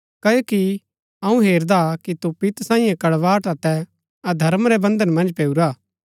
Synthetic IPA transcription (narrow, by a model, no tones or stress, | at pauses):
kɐjoːki | ɐũɦeːɾd̪akit̪upɪt̪sãːĩːjãkɐɽʋaːʈɐt̪ɛ | ɐd̪ʱɐɾmɾɛbɐ̃nd̪ənmɐ̃nd͡ʒpeːuɾaː